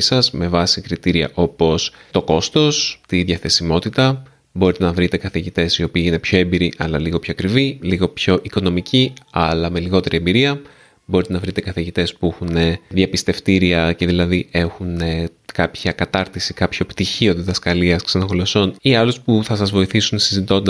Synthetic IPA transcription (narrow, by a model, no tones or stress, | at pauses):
sɐzme̞vɐsikɾit̪iɾiɐ̰ʔo̞po̞st̪o̞ko̞st̪o̞st̪iðʝɐθe̞simo̞t̪it̪ɐ | bo̞ɾit̪enɐvɾit̪e̞kɐθiʝit̪e̞sio̞piːine̞pço̞embiɾiʔɐlɐliɣo̞pçoɐkɾiviliɣo̞pço̞ʔiko̞no̞miciɐlɐme̞liɣo̞t̪e̞ɾʔie̞mbiɾiɐ | bo̞ɾit̪e̞nɐvɾit̪e̞kɐθiʝit̪e̞spuexune̞ðʝɐpist̪e̞ft̪iɾiɐce̞ðilɐðiʔe̞xunekɐpçɐkɐt̪ɐɾt̪isikɐpço̞pt̪içio̞ðiðɐskɐliɐsksenoxolo̞so̞niɐluspuθɐsɐzvo̞iθisunsizit̪o̞nd̪